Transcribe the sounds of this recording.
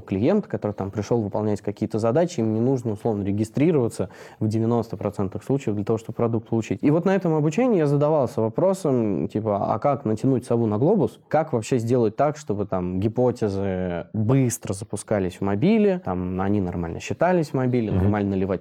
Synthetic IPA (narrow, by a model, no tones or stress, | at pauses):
klʲɪjent̪ə̥kɐt̪oɾɨt̪ampɾʲɪʂlˠolˠvɨpɐlˠnʲætʲkɐkʲijət̪əzɐd̪at͡ɕɪimnʲɪnuʐnəʊslˠo̞vnəɾʲɪɡʲɪst̪ɾʲiɾəvət̪səvdʲɪvʲɪno̞st̪əpɾɐt̪sɛnt̪nɨxsˠut͡ɕɪjəvd̪lʲət̪ɐvoʂt̪obə̥pɾɐd̪uk̚t̪̚pəlˠʊt͡ɕitʲivo̞t̪nɐɛt̪əmɐbʊt͡ɕenʲɪɪjazəd̪ɐvɑlˠsʲəvɐpɾo̞səmtʲipəa̰kaknətʲɪnut̚ʲsɐvunɐɡlˠo̞bʊskakvɐpɕːezʲdʲe̞lˠət̚ʲt̪akʂt̪o̞bɨt̪amɡʲɪpo̞tʲɪzɨbɨst̪ɾəzəpʊskalʲɪsʲvmɐbʲilʲɪt̪amɐnʲinɐrma̰lʲnə̰ɕːɪt̪alʲɪsʲvmɐbʲilʲɪnɐ̰rmalʲnəəlʲɪvatʲ